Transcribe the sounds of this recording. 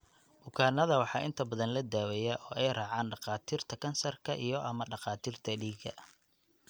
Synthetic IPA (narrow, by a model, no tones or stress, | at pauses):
bʊkʰaːnɐðɐwɑħɑːɪnt̪ʰɐbɐðɐnlɐd̪aːwɛjaʔɔːʔɛjrɑːʕɑːnɖɑqɑːt̪ʰiːrt̪ʰɐkʰɐnsɐrkʰɐʔijɞʔɐmɐɖɑqɑːt̪ʰiːrt̪ʰɐɖiːɡɐ̰